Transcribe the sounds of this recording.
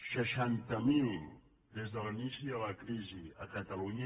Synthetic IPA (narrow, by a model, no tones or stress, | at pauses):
ʃaʃantamili | d̪ɛzd̪alaniʃialakɾizia̰kat̪aluɲa